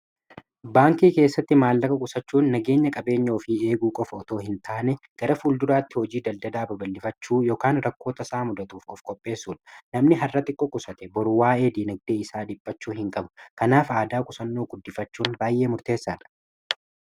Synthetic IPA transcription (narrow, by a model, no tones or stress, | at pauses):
baːŋkiːke̞ːsːɐt̪ːɪmaːlːɐkɐkʼʊsɐt͡ʃːuːnːɐɡe̞ːɲːɐkʼɐbe̞ːɲːoːfɪe̞ːɡuːkʼɔfɐɔt̪o̞ːhɪnt̪ʰaːnɛ | ɡ̥ɐɾɐfuːld̪ʊɾaːt̪ːɪhɔd͡ʒiːd̪ɐld̪ɐd̪aːbɐbɐlːɪfɐt͡ʃːuːjo̞ːkaːnɾɐkːo̞ːt̪ɐsaːmʊd̪ɐt̪uːfkʼɔfkʼɔpʼːe̞ːsːuːᶑɐ̥nɐmnɪɦɐrːɐt̪ɪkʼːɔkʼʊsɐt̪ɛbɔɾwaːe̞ːd̪iːnɐɡ̚d̪e̞ːɪsaːd̪ɪpʼːɐt͡ʃːuːhɪŋkʼɐbʊ̥kɐnaːfaːd̪aːkʼʊsɐnːoːɡʊd̪ːɪfɐt͡ʃːuːnbaːjʔe̞ːmʊɾt̪e̞ːsːaːᶑɐ̥